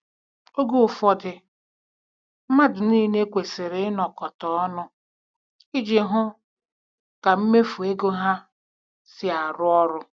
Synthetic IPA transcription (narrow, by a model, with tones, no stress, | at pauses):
o˦ɡo˦˨fɔ˦dɪ˨ | m̩˦ma˦dʊ˨niː˦ne˦kʷe˨sɪ˨ɾɪ˨˦nɔ˨kɔ˨tɔ˨ɔ˦nʊ˦ | ɪ˦d͡ʒi˨ɦʊ˦ | ka˨m̩˦me˦fu˨e˦ɡo˦ɦa˦ | sɪ˦a˨ɾʊ˦ɔ˦ɾʊ˦